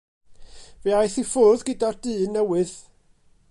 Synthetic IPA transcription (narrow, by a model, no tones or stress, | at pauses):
veajθifʊðɡɪdard̥ɨːnːɛwɨð